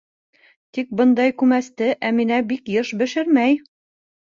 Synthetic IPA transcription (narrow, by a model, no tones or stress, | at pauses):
t̪ik̚bɤ̆nd̪ɑjkʉmæst̪ɘʔæminæbikjɤʃbɘ̆ʃɘɾmæj